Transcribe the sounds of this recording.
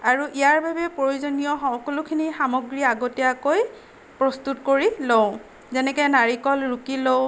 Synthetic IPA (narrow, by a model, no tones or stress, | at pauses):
aɹuʔijaɹbʱabɛpɹojuzonijɔxɔkɔlʊkʰinixamɔɡɹiaɡotɛjakoj | pɹɔstutkoɹiloʊ | zɛnɛkɛnaɹikɔlɹukilow